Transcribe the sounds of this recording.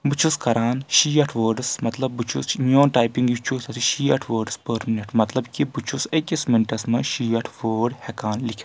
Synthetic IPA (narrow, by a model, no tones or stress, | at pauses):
but͡ʃʰuskɐɾaːnʃiːɐʈʰʋəːɖɨsmɐt̪lɐb̚ːut͡ʃʰusnoːnʈaːjpiŋɡjit͡ʃʰusɐsʰiʃiːɐʈʰʋəːɖspəːɾmineʈmɐt̪lɐbkʲibut͡ʃʰusɐkʲɐsmiɳʈɐsmɐʃiːɐʈʰʋəːɖhɛkaːnlik̪ʰʲ